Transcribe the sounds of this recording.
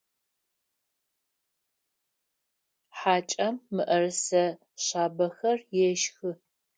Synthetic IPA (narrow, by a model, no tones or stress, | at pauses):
ħaːt͡ʃʼɐmːɨʔɐrɨsɐ | ɕaːbɐxɐrjɛʃxɨ